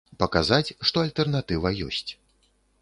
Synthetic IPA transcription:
pɐkazat͡sʲʂt̪ɔalʲt̪ɛrnat̪ɨvɐjɔ̰sʲt͡sʲ

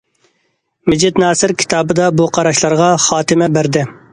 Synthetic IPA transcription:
mɪd͡ʒɪt̪nɑːsɪɾkʲʰi̥t̪ʰɑːbɨd̪ɑbuqʰɑɾɑʃlˠɑɾʁɑχɑːt̪ɪmɛbæɾd̪ɪ

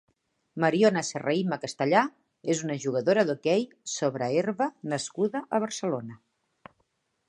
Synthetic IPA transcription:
məɾionəsəreiməkəst̪əʎa | ezunəʒuɣ̞əðoɾəðokɛj | soβɾəeɾβənəskuðəʔəβ̞əɾsəlonə

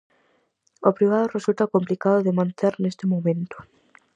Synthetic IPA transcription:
opɾiβ̞að̞oresult̪akomplikaðoðemãnt̪eɾnest̪ɪmomẽnt̪ʊ̥

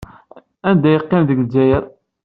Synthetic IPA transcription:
ænd̪æjəqːɪmðəɡld͡ʒæjəɾ

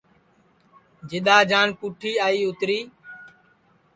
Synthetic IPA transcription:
d͡ʒɪɗ̪aːd͡ʒaːnpuːʈʰiːaːiːʊt̪ɾiː

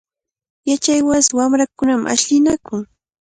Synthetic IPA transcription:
jat͡ʃajwaswamɾakʊnamʔa̰ʃʎɪnakʊŋ

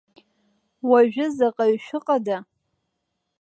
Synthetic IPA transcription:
waʒᶣɪzaqʼaɥʃʷᶣʊqʼada

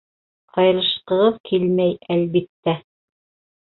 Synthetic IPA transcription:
qʰɑjɾɤ̆ʃqɤ̆ʁɤðkʰilmæjælβit̪ːæ

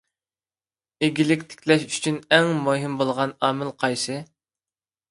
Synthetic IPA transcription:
eɡʲilɪkʲt̪ʰɪ̥kʲlɛʃy̥t͡ʃʰynɛŋmoɦɪmbolˠʁɑnɑːmɪlˠqʰɑjsɨ

